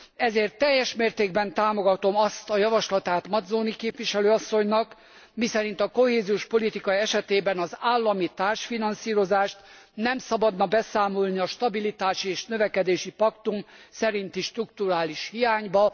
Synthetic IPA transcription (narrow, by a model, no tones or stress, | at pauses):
ɛzeːrt̪ːɛjːɛʃmeːrt̪eːɡbɛnt̪aːmo̞ɡɒt̪o̞mɒst̪ɒjɒvɒʃlɒt̪aːt̪mɒd̪zoːnikeːpʋiʃɛløːɒsːo̞ɲnɒk | misɛɾint̪ɒko̞heːziuʃpo̞lit̪ikɒiɛʃɛt̪eːbɛnɒzaːlːɒmit̪aːrʃfinɒnsiːɾo̞zaːʃt̪ | nɛmsɒbɒd̪nɒbɛsaːmo̞lniɒʃt̪ɒbilit̪aːʃieːʃnøvɛkɛd̪eːʃipɒkt̪umsɛɾint̪iʃt̪rukt̪uɾaːliʃhijaːɲbɒ